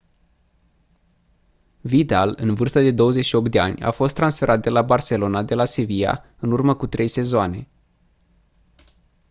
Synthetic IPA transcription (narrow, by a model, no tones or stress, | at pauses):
vit̪alɨnvɨrst̪əd̪e̞d̪o̞wəzet͡ʃʃio̞p̚t̪d̪e̞a̰nʲa̰fo̞st̪ːɾansfe̞ɾʔat̪̚d̪e̞labarse̞lo̞nad̪e̞lasevija̰ | ɨnurməkut̪ɾʔe̞jse̞zoane̞